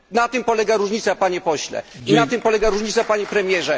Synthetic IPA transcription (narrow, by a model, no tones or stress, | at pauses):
nat̪ɘmpɔlɛɡaɾuʐɲit̪sapaɲɛpɔɕlɛ̰inat̪ɘmpɔlɛɡaɾuʐɲit̪sapaɲɛpɾɛmʲjɛʐɛ